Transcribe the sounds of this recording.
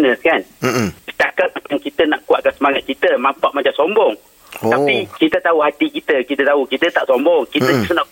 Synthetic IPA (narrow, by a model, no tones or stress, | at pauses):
nə̃skansit̪aʔkat̪̚mat͡ʃaŋkit̪ənaʔkuwaʔ̚kansəmaŋat̪̚kit̪əmampaʔmat͡ʃamsombɔŋ | apikit̪ət̪auɦat̪ikit̪əkit̪ət̪aukit̪ət̪aʔsombɔŋkit̪əna